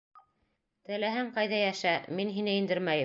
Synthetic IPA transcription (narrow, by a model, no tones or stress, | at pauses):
t̪ɘ̆læɦɘŋqɑjðɑjæʃæminɦinɘind̪ɘɾmæjɘ